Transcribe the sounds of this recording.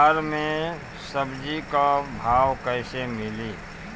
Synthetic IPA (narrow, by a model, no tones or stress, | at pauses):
ɾmẽ | səbd͡ʒikabʱaːwkəɪsemɪliː